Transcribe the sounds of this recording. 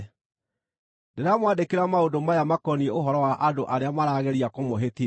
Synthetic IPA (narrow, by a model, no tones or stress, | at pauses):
deɾamwadekeɾamaodomajamakɔnieoɦɔɾɔwaʔadoʔaɾeamaɾaːɣeɾiakomoɦeti